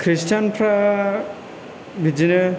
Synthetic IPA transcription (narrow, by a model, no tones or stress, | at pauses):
kʰɾistanpʰɾa | bid͡ʒinɯ